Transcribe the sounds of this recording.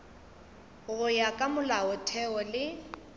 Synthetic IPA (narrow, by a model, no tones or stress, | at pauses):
ɣʊjakʼamʊlaɔtʰɛɔlɪ